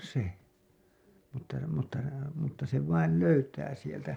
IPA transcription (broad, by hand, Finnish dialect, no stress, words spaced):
se mutːɑ mutːɑ mutːɑ se ʋɑil løytæː sieltæ